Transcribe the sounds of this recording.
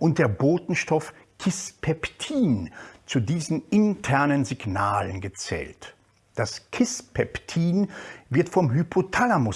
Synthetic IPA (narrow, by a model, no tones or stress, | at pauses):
ʔʊnt̚d̥eːɐboːtn̩ʃtɔfkʰɪspʰɛptʰiːnt͡sudiːzn̩ɪntʰɛɐnənziɡnaːlənɡət͡sɛ̰ːlt | d̥askʰɪspʰɛptʰiːnvɪɐtfɔmɦypʰotʰalamʊ